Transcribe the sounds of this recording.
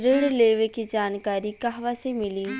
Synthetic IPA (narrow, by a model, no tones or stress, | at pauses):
ɾɪɽleːʋekid͡ʒaːnkaːɾikaɦʋasemɪliː